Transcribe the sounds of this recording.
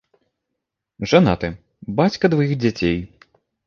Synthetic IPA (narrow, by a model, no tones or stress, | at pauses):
ʐana̰t̪ɨ | bat͡sʲkɐd̪vajiɣd͡zʲat͡sʲej